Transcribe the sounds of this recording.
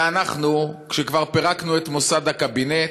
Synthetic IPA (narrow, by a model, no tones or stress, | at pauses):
anaχnukʃekvaʁpeʁaknuet̪mo̞sad̪hakabine